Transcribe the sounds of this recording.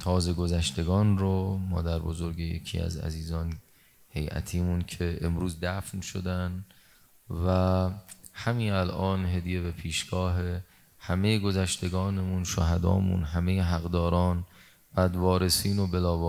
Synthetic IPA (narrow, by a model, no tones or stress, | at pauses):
t̪ʰɒːze̞ɡozæʃt̪e̞ɡɒːnɾomɒ̰ːd̪æɾbozo̞ɾɟejḛcʰḭːæ̰zæ̰ziːzɒːn | he̞jʔæ̰t̪ʰiːmuncʰe̞emɾuːzd̪æfnʃod̪æn | væ | hæmiːnælʔɒːnɦe̞d̪ije̞be̞pʰiːʃɡ̥ɒːɦe | hæme̞jeɡo̞zæʃt̪e̞ɡɒːnemunʃoɦæd̪ɒ̰ːmṵːnɦæmejeɦæɣd̪ɒːɾɒːn | b̥æd̪vɒːɾe̞siːnobe̞lɒːvː